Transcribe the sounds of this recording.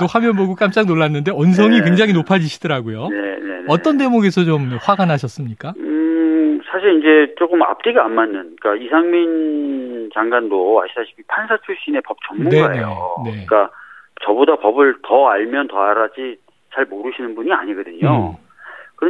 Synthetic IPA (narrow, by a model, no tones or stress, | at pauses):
tohwamjʌnboɡok͈amt͡ɕ͈aŋnoɭːanːɯnde̞ʌns̬ʰʌŋikwe̞ŋd͡ʑaŋɦinopʰad͡ʑiɕʰidɯɾaɡojoene̞nʌʌnde̞moɡe̞sʰʌt͡ɕomɸwaɡanɦaɕʰʌs͈ɯmɲik͈aɯsʰaɕʰiɾind͡ʑe̞t͡ɕ͈okɯma̰p̚t͈iɡianmːanːɯnk͈aisʰaŋmin | t͡ɕaŋɡandoa̰ɕʰisʰaɕʰi̥pʰipʰansʰat͡ɕʰuɭɕ͈ine̞pʌp̚t͡ɕʌŋmːuneaee̞jo̰ne̞k͈at͡ɕʌbodapʌbɯɭtʌaɭmjʌntʌaɾad͡ʑi | t͡ɕaɭmoɾɯɕʰinɯnbuɲia̰ɲiɡʌdɯɲo | kɯɾʌ